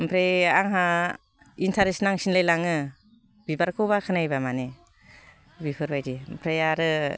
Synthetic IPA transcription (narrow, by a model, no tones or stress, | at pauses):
mpʰɾeaŋɦa | intʰaɾesnaŋsinlejlaŋɯ | bibaɾkʰɯbakʰɯnajbamani | bipʰɯɾbajdimpʰɾejaɾɯ